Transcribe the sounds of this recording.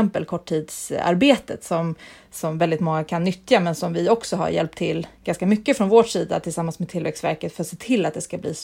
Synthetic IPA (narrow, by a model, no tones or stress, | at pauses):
ɛmpəlkʰɔʈʰːiːd̪sa̰ɾbeːt̪ə̰t̪sɔm | sɔmvɛld̪ɪt̪mɔŋːakʰanːʏt̪jamɛnsɔmvɪɔksɔɦa̰ɾjɛ̰lp̚t̪ʰːɪlːɡ̥anskamʏkːəfɾɔnvoːʈʂiːd̪a̰t̪ʰɪlsamːansmɛt̪ʰɪlvɛksvæ̰ɾkət̪fœɾat̪seːt̪ʰɪlːat̪d̪ɛskablḭːs